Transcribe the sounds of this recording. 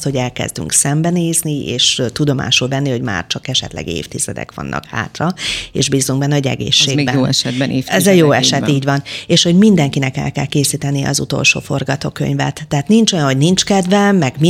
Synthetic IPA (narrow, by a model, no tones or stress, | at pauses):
t̪ho̞ɟɛlkɛ̰zd̪y̰ŋksɛmbɛneːznieːʃt̪ud̪o̞ma̰ːʃulvɛnːiho̞ɟma̰ːrt͡ʃɒkɛʃɛt̪lɛ̰ɡḛːft̪izɛd̪ɛ̰kʋɒ̰nːʔɒ̰kha̰ːt̪rɒḛːʒbiːzuŋɡbɛnːɛɟɛ̰ɡḛːʃːeːɡbɛɛʃɛbɛeɛzɛjoːɛʃɛt̪iːɟvɒneːʃho̞ɟmind̪ɛŋkinɛkɛ̰lkɛlkeːsiːt̪ɛnijɛɒ̰zṵt̪o̞̰lʃo̰ːfo̞rɡɒt̪oːkø̰ɲvɛ̰t̪ːɛɦaːt̪nint͡ʃo̞jɒnho̞ɟnint͡ʃkɛd̪vɛmːɛɡmi